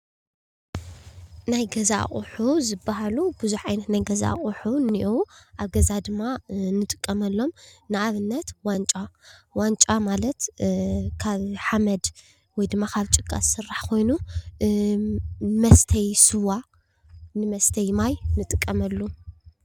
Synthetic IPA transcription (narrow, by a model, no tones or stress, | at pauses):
najɡɐza̰χʼuħuzɨbːaɦalubɨzuħʕajnɐt̪najɡɐza̰χʼuħuniʔwʔaβɡɐzad̪ɨmːanɨt̪ʼɨ̥kʼːɐmɐlːo̞mnɨaβɨnːɐt̪want͡ʃʼawant͡ʃʼamalɐt̪ | kʰaβħamɐd̪ | wɔjd̪ɨmːakʰaβt͡ʃʼɨkʼːa̰ssɨrːaħkʰo̞jnu | mɐst̪ʰɐjsɨwa | nɨmɐst̪ʰɐjmajnɨt̪ʼɨkʼːɐmɐlːu